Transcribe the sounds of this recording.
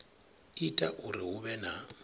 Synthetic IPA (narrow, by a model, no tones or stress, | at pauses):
itʼaʔʊrɪɦʊβɛna